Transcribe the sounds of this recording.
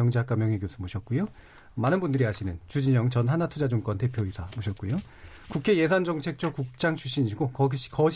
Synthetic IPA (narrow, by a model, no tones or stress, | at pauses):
ʌŋd͡ʑeɦak͈amjʌŋeɡjosʰɯmoɕʰʌt̚k͈ujo | manɯnbundɯɾiɦaɕʰinɯnt͡ɕud͡ʑiɲʌŋt͡ɕʌnɦanatʰud͡ʑad͡ʑuŋk͈ʌnte̞pʰjoisʰamoɕʰʌt̚k͈ujo | kukʰe̞je̞sʰand͡ʑʌŋt͡ɕʰe̞k̚t͡ɕ͈ʰʌkuk̚t͡ɕ͈aŋt͡ɕʰuɕ͈iɲiɡokʌɕkʌɕ